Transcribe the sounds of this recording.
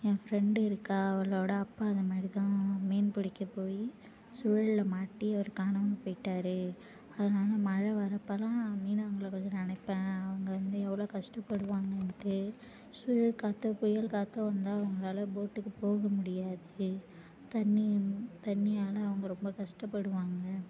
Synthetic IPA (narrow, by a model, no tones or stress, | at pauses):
ẽːfɾɛɳɖɯɪɾɯkːaːɐʋɐɭoːɽɐɐpːaːɐðɐmaːɾit̪ãːmeːnpɪɽɪkːɐpoːji | sʊɻɐɭɪlɐmaːʈːiɐʋɐɾɯkaːnɐʋɐɐpoːɪʈːaːɾɯ | ɐðɐnaːlɐmɐɻɐʋɐɾɐpːɐlãːmiːnɐʋɐŋɡɐɭɐkoɲd͡ʒɐlɐɐnɐɪpːẽːɐʋɐŋɡɐʋɐnd̪ɯɛʋːɐɭoːkɐʂʈɐpːɐɽɯʋaːŋɡɐnt̪ɯ | sʊjɐɭkaːt̪ːõːpʊjɐlkaːt̪ːõːʋɐnd̪aːɐʋɐŋɡɐɭaːlɐboːʈːɯkːɯpoːɣɐmʊɽɪjaːðɯ | t̪ɐnːit̪ɐnːɪjaːlɐɐʋɐŋɡɐɾɔmbɐkɐʂʈɐpːɐɽɯʋaːŋɡɐ